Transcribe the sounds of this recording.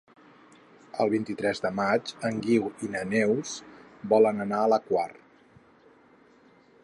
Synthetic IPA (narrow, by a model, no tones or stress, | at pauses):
əlˠβint̪it̪ɾɛzðəmad͡ʒəŋɡiwinənɛwsbɔlənənaələkwar